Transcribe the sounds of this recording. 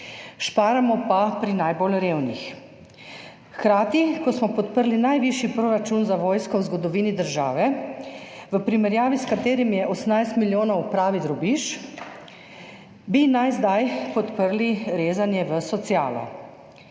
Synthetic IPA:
ʃpaːɾamɔpapɾinajbolɾeːwnix | xkɾaːt̪ikɔsmɔpɔt̪pəɾlinajʋiʃjipɾoːɾat͡ʃunzaʋɔːjskɔwzɡɔd̪ɔʋiːnid̪əɾʒa̰ːʋɛ | ʋəpɾimɛɾjaːʋiskat̪eːɾimjɛʔɔsmnajst̪miljoːnɔwpɾaːʋid̪ɾɔbiʃ | binajzd̪ajpɔt̪pəɾliɾeːzanjɛʋəsɔt̪siaːlɔ̰

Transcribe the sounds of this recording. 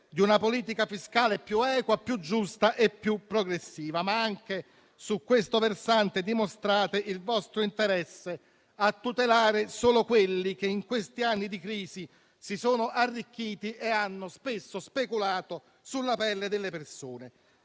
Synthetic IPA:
d̪iunapoliːt̪̬ikafiskaːlepjuɛːkwapjud͡ʒːust̪aʔepːjupːɾoɡɾesːiːvamaaŋk̟e | sukːwest̪oversant̪ed̪imost̪ɾaːt̪eʔilvɔst̪ɾoint̪eɾɛsːe | at̪ːut̪elaːɾesoːlokwelːik̟eiŋkwest̪ianːid̪ikɾiːzi | sisoːnoʔarːik̟ːiːt̪iʔeanːospesːospekulaːt̪o | sulːapɛlːed̪elːepersoːne

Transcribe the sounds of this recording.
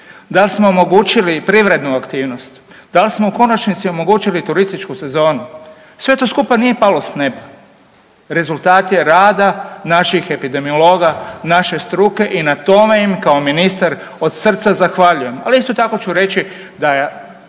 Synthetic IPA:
d̪alsmo̞omo̞ɡuːt͡ʃilipɾiʋɾe̞d̪nuakt̪iːʋno̞st̪ | d̪alsmouko̞nat͡ʃnit̪sio̞mo̞ɡuːt͡ʃilit̪uɾist̪it͡ʃkuse̞zo̞ːnu | sʋe̞t̪o̞skupanije̞palo̞sneba | ɾe̞zulˠt̪aːt̪je̞ɾaːd̪anaʃixe̞pid̪e̞miolo̞ːɡanaʃe̞st̪ɾuke̞ʔinat̪o̞me̞imkaominist̪aɾ | o̞d̪sr̩t̪sazaxʋaʎuje̞ma̰liist̪o̞t̪ako̞t͡ʃuɾe̞t͡ʃi | d̪a

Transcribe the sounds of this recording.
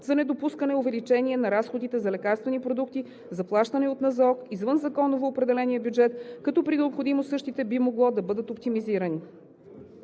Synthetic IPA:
zɐnɛd̪opuskənɛʊvɛlit͡ʃɛniɛnɐɾasxod̪it̪ɛzɐlɛkaɾst̪vɛnipɾod̪ukt̪i | zɐplˠaʃt̪ənɛot̪nɐzɔkizvɤnzɐkɔnovoːpɾɛd̪ɛlɛniəbjud͡ʒɛt̪kɐt̪ɔpɾinɛopxod̪imosɤʃt̪it̪ɛbimoɡlˠɔd̪ɐbɤd̪ət̪op̚t̪imiziɾɐni

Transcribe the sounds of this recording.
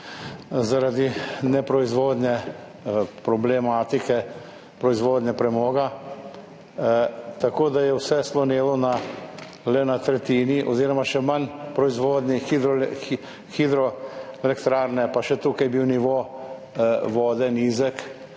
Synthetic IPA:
zaɾad̪inɛpɾɔizʋoːd̪nʲɛ | pɾɔblɛmaːt̪ikɛ | pɾɔizʋoːd̪nɛpɾɛmɔːɡa | t̪akoːd̪ajɛwsɛslɔneːlɔna | lɛnat̪ɾɛt̪iːniʔɔziːɾɔmaʃɛmanpɾɔizʋoːd̪nʲixid̪ɾɔ | xid̪ɾɔɛlɛkt̪ɾaːɾnɛpaʃɛt̪uːkajbiwniʋo | ʋɔːd̪ɛniːzɛk

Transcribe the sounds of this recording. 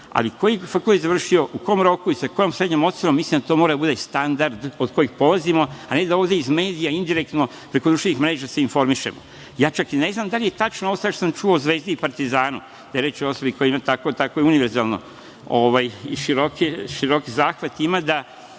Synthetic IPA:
a̰liko̞jifakult̪ezaʋr̩ʃio̞ʔuko̞jomɾo̞kuisako̞jo̞msɾe̞d̪ɲomot̪oɾomːislimnd̪at̪omoɾad̪abud̪est̪and̪aɾd̪od̪ko̞jixpo̞lazimo̞ane̞d̪aoʋd̪e̞izme̞ːd̪ijaind̪iɾek̚t̪no̞ | pɾe̞kod̪ɾuʃt̪enixmɾe̞ːʒase̞info̞ɾmiʃe̞̰mo̰ | jaːt͡ʃakine̞znamd̪alije̞t̪at͡ʃnoosaat̪os̬amt͡ʃuouzʋe̞ːzd̪ipaɾt̪izaːnu | d̪̥aeɾe̞t͡ʃoo̞so̞biko̞jimat̪akot̪akojuniʋeɾzaːlˠno̞̰ | oʋajiʃiɾokiʃiɾo̞kizaːxʋat̪imad̪a

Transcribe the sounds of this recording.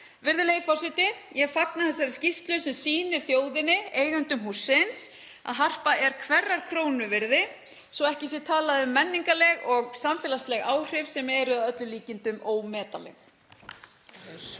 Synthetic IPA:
vɪɾðɪleːjɪfɔr̥sɛt̪ɪ | jɛfaknaθɛs̬ːaɾɪ̥scist̪lʏsɛmsiːnɪɾ̥θjoːwðɪnːɪeːjɣant̪ʏmɦusːɪns | a̰ðɦar̥paɛɾ̥kʰvɛrːaɾ̥kʰɾoːwnʏvɪɾðɪ | sɔɛhcɪsjɛt̪ʰaːlaðʏmːɛnːiŋkalɛɣɔɣsamfɛːlast̪lɛɣaːwr̥ɪvsɛmɛɾʏaðœt̪lʏliːcɪnt̪ʏmoːwmɛːt̪alɛ̰x

